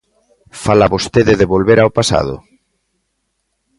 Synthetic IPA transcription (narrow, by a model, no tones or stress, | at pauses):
falaβost̪eðeðeβolβeɾaopasa̰ðʊ̰